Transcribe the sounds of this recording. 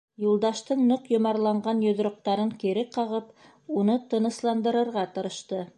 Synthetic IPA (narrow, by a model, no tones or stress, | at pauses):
julˠd̪ɑʃt̪ɤɴnɤqjŏmɑɾlˠɑɴɢɑnjŏðɾŏq̚t̪ɑɾɤŋkiɾɘqɑʁɤp | unɤt̪ɤ̆nɤ̆slˠɑnd̪ɤ̆ɾɤ̆ɾʁɑt̪ɤ̆ɾɤ̆ʃt̪ɤ